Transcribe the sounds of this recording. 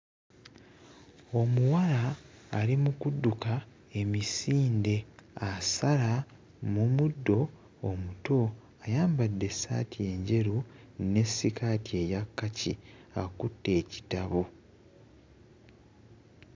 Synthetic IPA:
o̞muwalaːlimukudːuka | e̞misiːnde̞asala | mumudːo̞ | omuto̞ | ajaːmbadːe̞sa̰ːtie̞ːɲɟe̞ɾu | ne̞sːikaːtie̞jakːacḭakutːe̞ːci̥taβu

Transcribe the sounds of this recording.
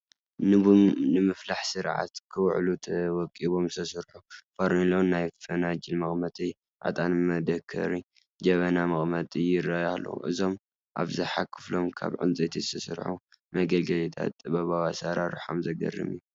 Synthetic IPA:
nɨβumnɨmɨflaħsɨɾʕa̰t̪kʰɨwʕlut̪ʰɐwɔkʼiβo̞msʰɐsɨɾħufaɾnilownnajfɐnad͡ʒilmɐχʼmɐt̪ʼi | ʔa̰t̪ʼanmɐd̪ɐkʰɐ̰ɾi | d͡ʒɐβɐnamɨχʼmɐt̪ʼɨjɪrːajahlo̰ʔɨ̰zo̞m | ʔa̰βzɨħakʰɨ̥flo̞mkʰa̰βʕɨ̰nt͡sʼɐt̪ʰi̥t̪ʰɐsɨ̰ɾħu | mɐɡɐlɡɐlit̪ʰa̰t̪ʼːɨβɐβawasaɾaɾuħomzɐɡɐ̰rːɨ̰mju

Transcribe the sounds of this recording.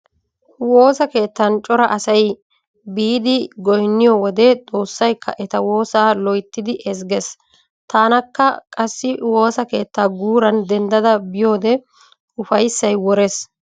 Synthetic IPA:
wo̞ːsɐke̞ːt̪ːɐnt͡ʃʼɔɾɐʔɐsɐj | biːd̪ɪɡɔjnːɪjɔwɔd̪ɛt̪ʼo̞ːsːɐjkʰːɐ̰ʔɛt̪ɐwo̞ːsaːlɔjt̪ːɪd̪ɪʔɛsɡɛs | t̪aːnɐkːɐkʼɐsːɪwo̞ːsɐke̞ːt̪ːaːɡuːɾɐnd̪ɛnd̪ɐd̪ɐbɪjo̞ːd̪ɛ | ʊfɐjsːɐjwɔɾɛs

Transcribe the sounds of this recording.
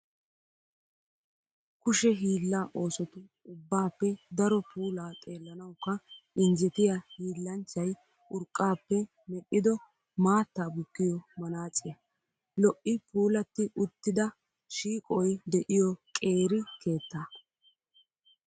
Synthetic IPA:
kʊʃɛɦiːlːaːʔo̞ːsɔt̪ʊ | ʊbːaːpːɛd̪ɐɾɔpʰuːlaːt̪ʼe̞ːlːɐnɐwʊkːɐʔɪnd͡ʒɛt̪ɪjɐhiːlːɐnt͡ʃːɐj | ʔʊɾkʼːaːpːɛ | mɛɗːɪd̪ɔ | maːt̪ːaːbʊkːɪjɔmɐnaːt͡sʼːɪjɐ | lɔʔɪpuːlɐt̪ːɪʔʊt̪ːɪd̪ɐ | ʃiːkʼɔjd̪ɛʔɪjɔkʼe̞ːɾɪkʰe̞ːt̪ːaː

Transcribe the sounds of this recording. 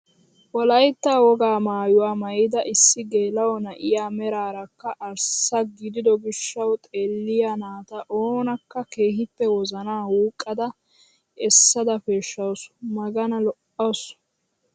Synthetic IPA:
wɔlɐjt̪ːaːwɔɡaːmaːjʊwaːmɐjɪd̪ɐʔɪsːɪɡe̞ːlɐwɔnɐʔɪjaːmɛɾaːɾɐkːɐʔɐɾsɐɡɪd̪ɪd̪ɔɡɪʃːɐwt̪ʼeːlːɪjanaːt̪ɐʔoːnɐkːɐke̞ːhɪpːɛwɔzɐnaːwuːkʼːɐd̪ɐ | ɛsːɐd̪ɐfeːʃːɐwsʊ̥mɐɡɐnɐlɔʔɐws

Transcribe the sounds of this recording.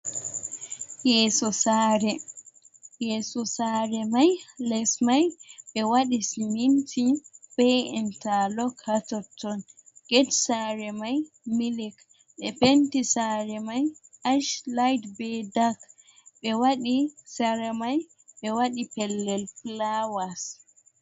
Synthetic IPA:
jɛːsɔsaɾɛ | jɛsɔsaɾɛmajlɛsmajɓɛwaɗisimintʰibɛjɛntalɔkhatɔtʰːɔnɡ̥ɛtsaɾɛmaj | milik | ɓɛpentisaɾɛmajaʃlajdbɛdak | ɓɛwaɗisaɾamaj | ɓɛwaɗipɛlːɛlplawas

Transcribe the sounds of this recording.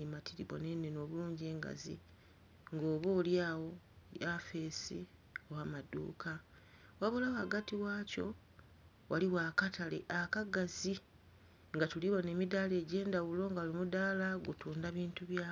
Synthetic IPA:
imatʰiɾiβo̰nenːeno̞ːβuluːɲɟe̞ːŋɡa̰zḭ | ŋɡo̞ːβoːljaːwo̞jafe̞sḭ | o̞waːmadṵːkʰa | waβolawaɡatiwaːco̞̰ | waliwaːkatʰalḛʔakaɡazi | ŋɡatuliβone̞ːmidaːle̞ːɟe̞ːndawulo̞ːŋɡalimudaːlaɡutuːndaβiːntuβjaː

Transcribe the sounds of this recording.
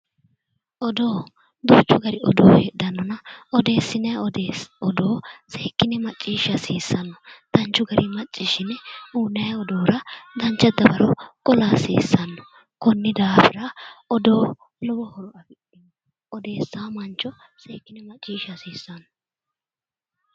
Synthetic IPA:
ʔɔd̪oː | d̪ʊt͡ʃːʊɡɐɾɪʔɔd̪o̰ːhḛd̪ɐnːɔnɐɔd̪e̞ːsːɪnɐjd̪ɔd̪oːseːkːɪnɛmɐt͡ʃʼːiːʃɐsiːsːɐnːɔd̪̥ɐnt͡ʃːʊɡɐɾɪmɐt͡ʃʼːɪʃɪnuːnːɐjɔd̪oːɾɐd̪ɐnt͡ʃːɐd̪ɐbɐɾɔkʼɔlaːsḭːsːɐnːɔ | kɔnːɪd̪aːfɪɾɐɔd̪o̞ː | lɔbɔhɔɾɔɐɡɪᶑɪnː | ʔɔd̪e̞ːsːaːmɐnt͡ʃːɔ | seːkːɪnɛmɐt͡ʃʼːiːʃɐsiːsːɐnːɔ

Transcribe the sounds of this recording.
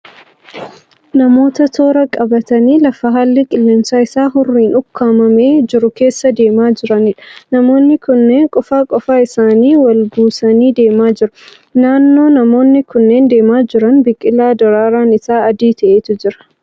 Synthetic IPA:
nɐmo̞ːt̪ɐt̪ʰo̞ːɾɐkʼɐbɐt̪ɐniːlɐfɐɦaːlːɪkʼɪlːeːmsaːɪsaːɦʊrːiːnʊkʰːaːmɐme̞ːd͡ʒɪɾʊke̞ːsːɐd̪e̞ːmaːd͡ʒɪɾɐnɪᶑɐ̥nɐmo̞ːnːɪkʊnːeːŋkʼɔfaːkʼɔfaːɪsaːniːwɐlɡuːsɐniːd̪e̞ːmaːd͡ʒɪɾʊ | naːnːo̞ːnɐmo̞ːnːɪkʊnːe̞ːnd̪e̞ːmaːd͡ʒɪɾɐnbɪkʼːɪlːaːd̪ɔɾaːɾaːnɪsaːɐd̪iːt̪ɐʔeːt̪ʊd͡ʒɪɾɐ̥

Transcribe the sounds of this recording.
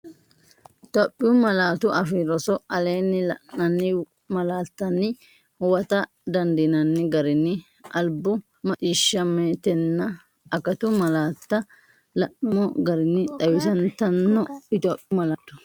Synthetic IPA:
ɪt̪oːpʼːɪjʊmɐlaːt̪ʊʔɐfiɾɔsɔɐleːnːɪlɐ̰nɐnːɪ | mɐlaːt̪ːɐnːɪ | hwɐt̪ɐ | d̪ɐnd̪ɪnɐnːɪɡɐɾɪnːɪ | ʔɐlbʊ | mɐt͡ʃʼiːʃːɐmeːt̪ɛnːɐ | ʔɐkɐt̪ʊmɐlaːt̪ːɐ | lɐʔɪmɔɡɐɾɪnːɪt̪ʼɐwɪsɐnt̪ɐnːɔɪt̪oːpʼɪʊmɐlaːt̪ːʊ̥

